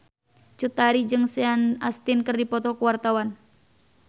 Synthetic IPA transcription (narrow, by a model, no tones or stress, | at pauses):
t͡ʃut̪aɾid͡ʒɨŋsɛanast̪ɪnkərdipɔt̪ɔkuwart̪awan